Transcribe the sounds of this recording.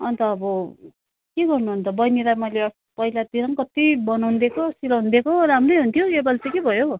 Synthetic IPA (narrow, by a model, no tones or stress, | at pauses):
ʌnt̪ʌːbʌ | keɡʌrnuɦunt̪ʌbʌjnilajmʌjleʌ | pʌilad̪iɾʌŋkʌt̪ibʌnawnd̪ekʰosilʌɦund̪ekoɾamrʌjɦunt̪ʰjoebʌlt͡sʌkebʱʌjo